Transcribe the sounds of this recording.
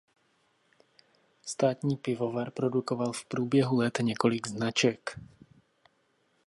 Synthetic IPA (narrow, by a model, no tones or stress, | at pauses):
st̪aːt̪ɲiːpɪvovaɾpɾɔd̪ukɔvalfpɾuːbjɛɦulɛt̪ɲɛkɔliɡznat͡ʃɛk